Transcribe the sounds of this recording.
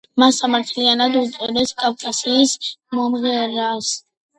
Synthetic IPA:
masamaɾt̪ʰlianad̪ut̪sʼɔd̪ɛskʼafkʼasiːsmɔmʁɛɾas

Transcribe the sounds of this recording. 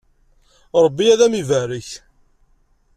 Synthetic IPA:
ɾˤəbːiæðæmivæɾəç

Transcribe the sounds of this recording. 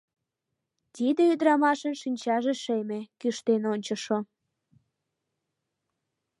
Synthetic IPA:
t̪id̪eyd̪ɾɑmɑʃənʃinʲt͡ɕɑʒeʃemekyʃt̪enonʲt͡ɕəʃo

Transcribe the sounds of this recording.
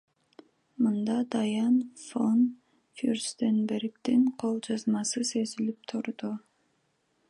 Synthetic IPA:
mɨnd̪ɑd̪ɑjɑnfon | furst̪enbeɾk̚t̪iɴqʰolˠd͡ʒɑzmɑsɯsøzilip̚t̪ʰuɾd̪u

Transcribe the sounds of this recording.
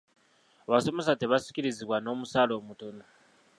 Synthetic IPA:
βasomes̬ateβasi̥ciɾiziβwanomusalomutona

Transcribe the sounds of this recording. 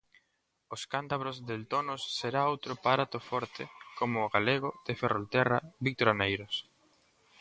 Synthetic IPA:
oskant̪aβ̞ɾozðelt̪onosːeɾaowt̪ɾopaɾat̪ofɔɾt̪ɪkomʊːɣaleɣʊð̥eferolt̪ɛraβik̚t̪oɾanejɾos

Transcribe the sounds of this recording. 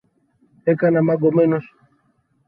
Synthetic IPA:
ekanamaɡɔmenus

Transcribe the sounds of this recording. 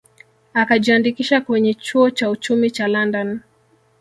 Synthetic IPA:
akaʄiandikiʃakwɛɲɛt͡ʃuɔt͡ʃaut͡ʃumit͡ʃalandɔn

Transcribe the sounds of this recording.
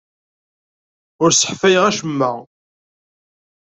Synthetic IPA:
ʊɾsə̥ħfæjʁæʃəmːəʁ

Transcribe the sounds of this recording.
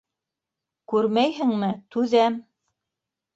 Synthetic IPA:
kʉɾmæjɦɘ̆ŋmɘt̪ʉðæm

